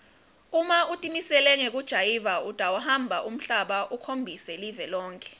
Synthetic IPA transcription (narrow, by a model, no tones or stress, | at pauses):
umautʼimisɛlɛŋek̬ud̥ʒ̥ʱajivaud̥ʼʱawahambʱaʔum̩ɬaɓaʔukʰombʱisɛlivɛlɔːŋkʼɛ̥